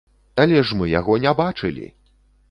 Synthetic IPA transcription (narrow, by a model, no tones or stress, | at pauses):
alʲɛʂmɨja̰ɣɔnʲɛbat͡ʂɨlʲḭ